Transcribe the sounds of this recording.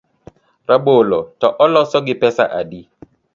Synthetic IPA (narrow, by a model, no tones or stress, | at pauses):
rabolɔtɔʔɔlɔsɔɡɪpɛsa̰ʔadi